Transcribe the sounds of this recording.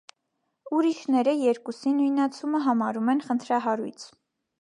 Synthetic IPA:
uɾiʃnɛɾəjɛɾkusinujnɑt͡sʰuməɦɑmɑɾumɛnχənt̪ʰɾɑɦɑɾṵjt͡sʰ

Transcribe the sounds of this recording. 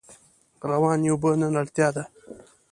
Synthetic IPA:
ɾawɑːnjobənənaɽt̪jɑːd̪a

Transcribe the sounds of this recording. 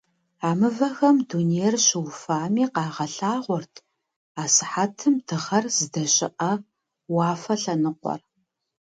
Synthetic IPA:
aːmɨvɐxɐmduːnijɛrɕɪwfaːmiːqɑːʁɐɬaːʁʷɔrtʰ | aːsɨ̥ħatʰɨmdɨʁɐrz̥ɨdɐɕʼɪʔɐ | wɑːfɐɬɐnɨqʷɔ̰r

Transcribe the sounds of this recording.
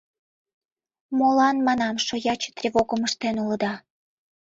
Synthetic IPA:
molɑnmɑnɑmʃojɑt͡ɕt̪rʲevoɣəməʃt̪enulə̆d̪ɑ

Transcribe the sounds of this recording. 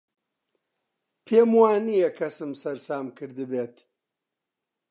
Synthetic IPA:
pʰeːmwaːnijɛkʰɐsɨmsɐɾsaːmkɨɾd̪ɨbeːt̪

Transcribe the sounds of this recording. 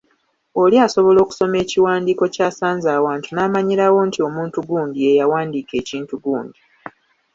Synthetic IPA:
o̞liaso̞βo̞lo̞ːku̥so̞me̞ːciwaːndiːko̞caːsaːnzaːwaːntunaːmaɲiɾawo̞ntio̞muːntuɡuːndie̞jawaːndiːke̞ːciːntuɡuːndi

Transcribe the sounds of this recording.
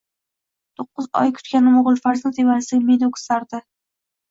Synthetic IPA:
t̪ʰoqːɨzɒ̰jkʰʊ̥t̪kʲanɪmoʁlˠfaɾznɪt̪ʰevaɾɪsɪmed̪okʰsaɾd̪ɪ

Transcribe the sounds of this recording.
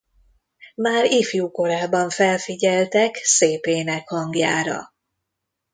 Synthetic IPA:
maːɾifjuːko̞ɾaːbɒɱfɛlfiɟɛlt̪ɛkseːpeːnɛkhɒŋɡja̰ːɾɒ̰

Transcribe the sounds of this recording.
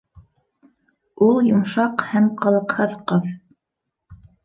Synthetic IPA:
ulˠjŏmʃɑqhæmqɑ̆lˠɤ̆qhɤðqɤð

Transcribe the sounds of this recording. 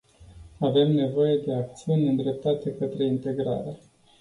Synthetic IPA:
ave̞mne̞vo̞je̞d̪e̞ak̚t̪siunʲɨnd̪ɾe̞p̚t̪at̪e̞kət̪ɾe̞int̪e̞ɡɾa̰ɾe

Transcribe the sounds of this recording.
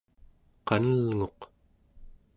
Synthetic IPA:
qɑnəlŋo̞q

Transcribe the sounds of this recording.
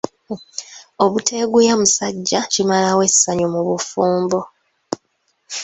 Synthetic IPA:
o̞βutʰe̞ːɡujamusaɟːacimalawe̞sːaɲumuβufuːmbo

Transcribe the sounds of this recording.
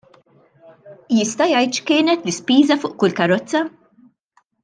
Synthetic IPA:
jɪst̪ɐjɐjt̪ʃkɪːnɛt̪lɪspiːzɐfʊːʔkʊlkɐɾɔt͡sːɐ

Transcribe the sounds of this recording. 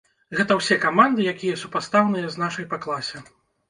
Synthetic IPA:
ɣɛt̪ɐwsʲɛkamand̪ɨjakʲijɐsupast̪awnɨjɐznaʂɐjpaklˠasʲɛ

